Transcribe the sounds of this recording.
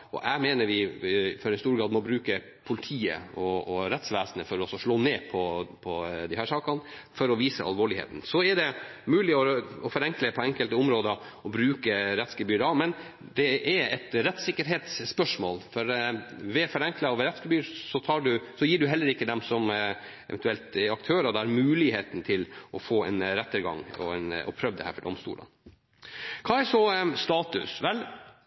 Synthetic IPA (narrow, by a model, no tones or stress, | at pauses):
ɔ̰ʔæɪmeːnəɾʋɪfɔɾɛɪnst̪uːɾɡɾɑːd̪mɔbɾʉːkə | pʰʊlɪt̪ʰiːə̰ɔɔɾɛt̪sʋæːsənəfɔɾɔsɔʂɭoːneːpʰɔpʰɔd̪ɪhæːʂɑːkɑnfɔɾɔʋiːsəʔɑ̰lʋoːɭɪhḛːt̪n̩sɔɛɖɛmʉːlɪɔɔfɔɾɛŋkləpʰɔɛŋkəlt̪əʊmɾoːd̪ə | ɔbɾʉːkəɾɛt̪skəbyːɾɑʋmɛn | d̪ɛʔɛɾɛt̪ɾɛt̪sɪkːəɾɦeːt̪sːpœʂmo̰ːlfɔɾʋɛfɔɾɛŋklɑʋɛɾɛt̪skəbyːɾsɔt̪ʰɑɖʉsɔjiːɖʉɦɛlːəɾɪkːəd̪ɛmsɔm | ʔɛ̰ʋɛnt̪ʉɛlt̪ɛɾɑk̚t̪ʰøːɾɑd̪ɛæɾmʉːlɪheːt̪n̩t̪ʰɪlʔɔfoːɛ̰nɾɛt̪ːəɾɡɑ̰ŋɔ̰ɛnɔ̰pʰɾœʋd̪ɛ̰hæ̰ːɾfɔɖɔ̰mst̪ṵːlʔɑ̰n | kʰɑːæʂɔst̪ɑːt̪ʉ̰sʋɛl